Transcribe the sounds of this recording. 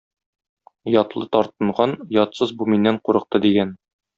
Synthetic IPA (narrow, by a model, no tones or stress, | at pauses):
jɒt̪lˠɤt̪ɒɾt̪ɤ̆ɴʁɑnjɒt̪sɤzbuminːæɴquɾɤ̆q̚t̪ɤd̪iɡæn